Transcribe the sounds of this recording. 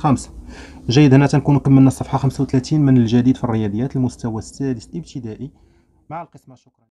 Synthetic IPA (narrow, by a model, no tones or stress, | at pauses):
xæms | ʒæjːəd̪hnːæt̪ænkunkəmːəlnæsˤːɑfħɑxəmsawt̪læt̪inmənəlʒæd̪id̪firːəjɑd̪ˤjæt̪əlmʊst̪æwæsːæd̪əslʔəb̚t̪əd̪æʔi | maʕəlqəsmæʃːʊkɾˤɑ